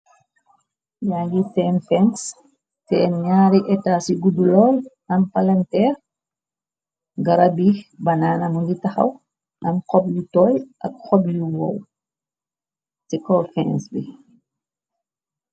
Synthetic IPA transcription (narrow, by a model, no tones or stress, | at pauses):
ɲaɡitɛnfɛns | tɛnɲaːɾiʔɛtasiɡudulɔl | ɐmpalantɛɾ | ɡaɾabibanaːnamunditaxa̰w | amkɔblutɔjʔɐ̰k̚xɔbluwɔw | tikɔfɛnsbi